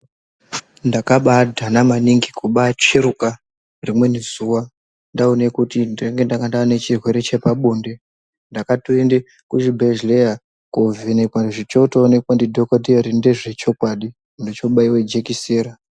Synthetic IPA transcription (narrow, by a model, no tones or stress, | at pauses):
ndakaɓadʱanamaniŋɡikʰuɓat͡ʃeɾuka | rimwe̞nez̥uwa | ndaone̞kutindire̞ŋɡe̞ndakandanet͡ʃirwe̞ɾe̞t͡ʃe̞paɓoːnde̞ | ndakatoende | kuʃibʱeʒleja | kovenekwanʐit͡ʃo̞toːne̞kwandidʱokodiarinde̞ʐe̞t͡ʃo̞kwaɗi | ndit͡ʃo̞ɓaiwed͡ʒekiseːɾa